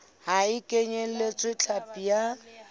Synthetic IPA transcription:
haɪkʼeɲelet͡sʼwɪt͡ɬʰapʼija

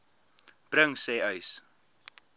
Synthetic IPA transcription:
b̥rəŋsɛːœɥs

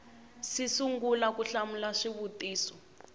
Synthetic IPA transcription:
sisuŋɡulakuɬamulaʂiβutiːsɔ

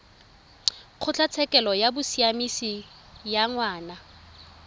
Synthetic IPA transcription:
q͡χʰʊt͡ɬʰat͡sʰɛkʼɛlɔjabʊsiamisi | jaŋwaːna

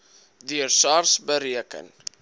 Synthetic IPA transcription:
dyərsɑrsbəɾiəkə̰n

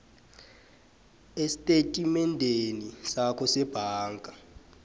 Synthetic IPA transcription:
esitʼetʼimɛndʱenisakʰɔsɛb̥ʱaːŋkʼa

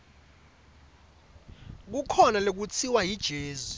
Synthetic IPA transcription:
k̬ukʰɔnalok̬ut͡sʰiwajid̥ʒ̥ʱeːzu

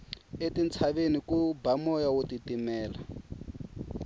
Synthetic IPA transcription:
etint͡sʰaβenikubamɔjawotitimɛːla

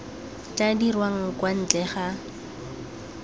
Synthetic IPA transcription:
t͡ɬʼadirwaŋ̩kwan̩t͡ɬɛχa

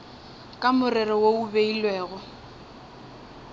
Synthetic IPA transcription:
kʼamʊrɪrɔwoubeilwɛːɣɔ

